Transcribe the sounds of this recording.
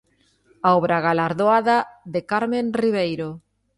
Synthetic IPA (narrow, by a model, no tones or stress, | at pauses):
aoβɾaɣalaɾðoaðaðekaɾmẽnriβ̞ejɾo